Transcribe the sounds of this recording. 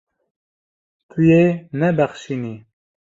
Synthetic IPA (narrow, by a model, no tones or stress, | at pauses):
t̪ʰujenɛbɛχʃini